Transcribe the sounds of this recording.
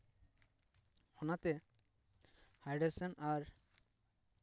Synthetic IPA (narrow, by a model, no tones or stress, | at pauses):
hɔnat̪e | hajɖesenaɾ